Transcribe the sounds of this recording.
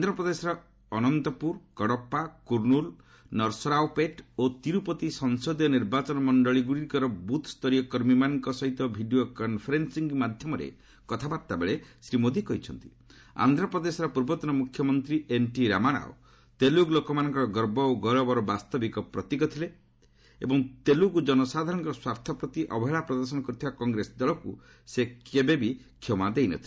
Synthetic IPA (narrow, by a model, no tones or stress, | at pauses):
d̪ʱɾɔpɾɔd̪esɔɾɔ | ɔnɔnt̪ɔpuɾkɔɽɔpːakuɾnul | nɔɾsɔɾawpeʈot̪iɾupɔt̪isɔŋsod̪ɔniɾbat͡ʃɔnɔmɔɳɖɔɭiɡuɽiɾkɔɾɔbut̪ʰst̪ɔɾijɔkɔɾmimanɔŋkɔsɔɦit̪ɔbʱiɖijokɔnpʰeɾensiŋɡmad̪ʱjɔmɔɾḛ | kɔt̪ʰabaɾt̪abeɭesɾimod̪ʱikɔɦit͡ʃʰɔnt̪i̥ | a̰nd̪ʱɾapɾɔd̪esɔɾɔpuɾbɔt̪ɔnɔmukʰjɔmɔnt̪ɾienʈiɾamaɽ̃a̰o̰ | t̪eluɡlokɔmanɔŋkɔɾɔɡɔɾbɔoɡɔɾɔbɔɾɔbast̪ɔbikɔpɾɔt̪ikɔt̪ʰile | ebɔŋt̪elukud͡ʒɔnɔsad̪ʱaɾɔɽ̃ŋkɔɾɔswaɾt̪ʰɔpɾɔt̪iʔɔbɔɦeɭapɾɔd̪ɔɾs̬ɔnɔkɔɾut̪ʰibakɔŋɡɾesɔd̪ɔlɔku | sekebebikʰːjɔmad̪ejnɔ̰t̪ʰile